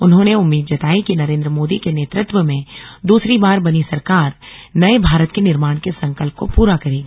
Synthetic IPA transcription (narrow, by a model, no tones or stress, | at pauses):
ʊnɦõːneʊmːiːd̪d͡ʒɐt̪aːikinɐɾẽːnd̪ɾəmoːd̪ikeneːt̪ɾət̪wəmẽd̪uːsɾibaːɾbɐnisɐɾkaːɾnɐebʱaːɾət̪kenɪɾmaːɽ̃kesɐ̃ŋkəlp̚kopuːɾakɐɾiː